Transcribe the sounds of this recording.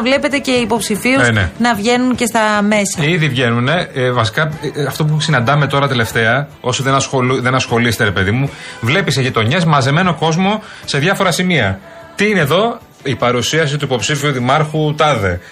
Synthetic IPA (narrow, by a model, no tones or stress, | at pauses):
vle̞pe̞t̪e̞ce̞ipo̞psifiusnḛnɐvʝe̞nunce̞st̪ɐme̞sɐiðivʝe̞nune̞vɐsi̥kɐɐft̪o̞p̬usinɐnd̪ɐme̞t̪o̞ɾɐt̪e̞le̞ft̪e̞ɐo̞soðenɐsoðe̞nɐsxo̞list̪e̞ɾe̞pe̞ðimuvle̞piseʝit̪o̞ɲe̞zmɐze̞me̞no̞ko̞zmo̞ | se̞ðʝɐfo̞ɾɐsimiɐ | t̪iineðo̞ | ipɐɾusiɐs̬it̪uipo̞psifiuðimɐɾxut̪ɐðe̞